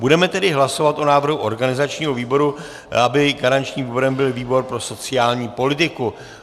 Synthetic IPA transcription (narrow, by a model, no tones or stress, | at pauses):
budɛmɛt̪ɛdɪɦlaso̞vat̪ʔonaːvr̩ɦuʔo̞ɾɡanɪzat͡ʃɲiːɦoviːbo̞ɾu | abɪɡaɾant͡ʃɲiːmviboɾɛmbɪlviːbo̞ɾpɾo̞so̞t͡sɪjaːlɲiːpo̞lɪt̪ɪku